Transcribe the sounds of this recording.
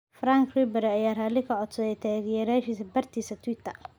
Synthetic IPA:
fraːŋkʰribɛɾɛɐjaːraːlɪkʰɐʕɔt̪sɔðɛt̪ʰaɣɪjɛːɾaːʃiːsɐbɐrt̪ʰiːsɐt̪ʰwɪt̪ʰɐr

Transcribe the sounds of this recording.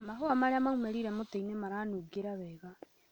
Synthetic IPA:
maɦoamaɾeamaɣumɛɾiɾɛmoteinemaɾanuɡeɾaβɛːɣa

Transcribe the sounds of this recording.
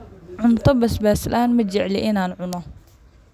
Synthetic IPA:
ʕʊnt̪ɐbɐsbaːslʔaːnmɐd͡ʒɪʕlɪʔɪnaːnʕʊnɔ

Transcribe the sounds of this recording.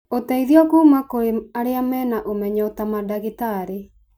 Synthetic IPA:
otaiðiɔkuːmakoɾeaɾeamɛːnaʔomɛɲɔotamadaɣitaɾe

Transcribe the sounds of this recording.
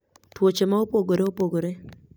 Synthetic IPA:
twot͡ʃemaopoɡoɾeopoɡoɾe

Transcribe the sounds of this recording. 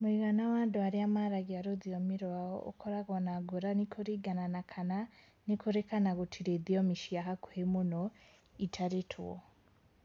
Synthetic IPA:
muiɣanawaːnduaɾiamaɾaɡiaɾodijomiɾwao̰ṵkʰoɾaɡonaɡuɾanikʰuɾiɡananakʰana | nikʰuɾekanaɡutʰiɾedijomiʃijaɦakuhemuno | itʰaɾitʰṵwo̰

